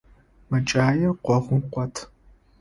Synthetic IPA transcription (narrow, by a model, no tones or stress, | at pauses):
mɐt͡ʃʼaːjɛqʷɔʁʷʊmqʷɔtʰ